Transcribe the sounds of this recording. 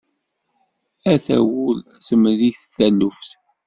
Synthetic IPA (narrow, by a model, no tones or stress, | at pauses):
æθæ̰wul | səmliθθælːufθ